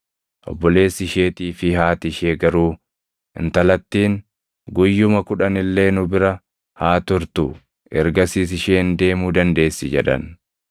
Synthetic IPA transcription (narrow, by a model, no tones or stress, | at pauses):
ʔɔ̰bːɔle̞ːsːɪʃe̞ːt̪iːfɪhaːt̪ɪʃeːɡɐɾuː | ɪ̰nt̪ɐlɐt̪ːiːŋ | ɡʊjːʊmɐkʊᶑɐnɪlːe̞ːnʊbɪɾɐ | haːt̪ʊɾt̪ṵː | ɛɾɡɐsiːsɪʃeːnd̪e̞ːmuːd̪ɐnd̪e̞ːsːɪd͡ʒɛᶑɐ̰n